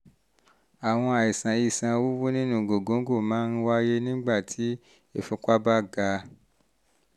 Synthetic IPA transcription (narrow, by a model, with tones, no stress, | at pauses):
a˨w̃ɔ̃˧a˨i˨sã˨i˨sã˨wu˦wu˦nĩ˦nũ˦˨ɡo˨ɡõ˨˦ɡo˦˨mãː˨˦n˦wa˦je˦nĩ˦ɡ͡ba˦˨tʰi˨˦ | e˦˨fu˧˦ka˦ba˦ɡa˧˦